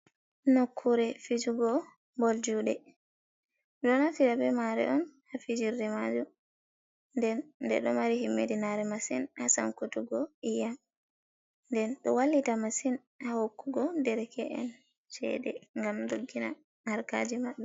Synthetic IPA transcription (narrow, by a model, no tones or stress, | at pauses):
nokʰːuɾɛfid͡ʒuɡɔ | mbold͡ʒuɗɛ | ɗɔnafiɾabɛmaɾɛ̰ʔɔnhafid͡ʒiɾdɛmad͡ʒu | ndɛnːdɛ̰ɗɔmaɾihimːedinaɾɛmasinhasa̰nkotuɡɔʔijam | ndɛnɗɔwalːitamasin | hahokːuɡɔdɛɾɛkɛʔɛ̰n | t͡ʃɛ̰dɛ̰ŋɡamdoɡːina̰ | naɾka̰d͡ʒimaɗu